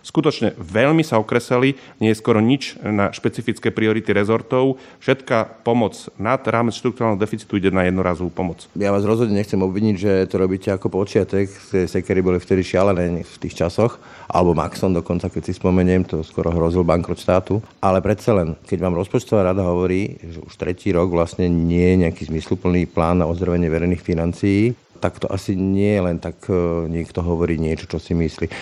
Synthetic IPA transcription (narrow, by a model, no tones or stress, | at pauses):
skut̪ɔt͡ʃɲɛʋɛʎmisaɔkɾɛsɛliɲɛjɛskɔɾɔɲit͡ʃnaʃpɛt͡sifit͡skɛːpɾiɔɾit̪iɾɛzɔɾt̪ɔʊfʃɛt̪kapɔmɔt͡snad̪ɾaːmɛt͡sʃt̪ɾuk̚t̪uɾaːlnɛɦɔd̪ɛfit͡si̥t̪uiɟɛnajɛd̪nɔɾaːzɔʋuːpɔmɔt͡sjaʋaːzɾɔzɦɔd̪ɲɛɲɛxt͡sɛmɔbʋiɲiɟʒɛt̪ɔɾɔbicɛakɔpɔt͡ʃɪat̪ɛkt̪ɛsɛkɛɾibɔlift̪ɛd̪iʃɪalɛnɛːft̪iːxt͡ʃasɔx | ʔa̰lɛbɔma̰ksɔnd̪ɔkɔnt͡sakɛcsispɔmɛɲɛmt̪ɔskʊɔ̰ɾɔɦɾɔzilbaŋkɾɔt̪ʃt̪aːt̪uʔalɛpɾɛt̪t͡salɛnkɛɟʋaːmɾɔspɔt͡ʃt̪ɔʋaːɾad̪aɦɔʋɔɾiːʒɛʔuʃt̪ɾɛciːɾɔɡʋlasɲɛɲɪɛjɛɲɛakiːzmislupl̩niːplaːnːaɔzd̪ɾɔʋɛɲɪɛʋɛɾɛjniːxfinant͡sijiː | t̪akt̪ɔʔasiɲɪɛjɛlɛnt̪akɲikt̪ɔɦɔʋɔɾiːɲɪɛt͡ʃɔ̥t͡ʃɔsimisliː